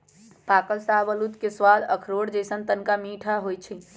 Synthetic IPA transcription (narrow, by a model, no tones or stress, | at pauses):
pakəlsabəlut̪keswaləkʰɾoɽd͡ʒəsənt̪ənkamiʈʰaɦojt͡ʃʰi